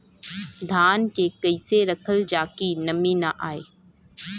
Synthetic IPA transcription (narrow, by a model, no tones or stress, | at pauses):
d̪ʱaːnkekɐɪseɾɐkʰəld͡ʒaːkinɐminaʔaːeː